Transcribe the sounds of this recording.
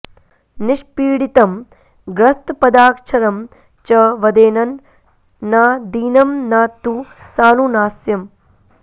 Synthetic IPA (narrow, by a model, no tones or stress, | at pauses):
niʃpiːɽit̪ɐm | ɡɾɐst̪pɐd̪aːkʂʰɐɾɐm | t͡ʃɐʋɐd̪eːnɐnː | aːd̪iːnɐmnaːt̪ːusaːnunaːsjɐm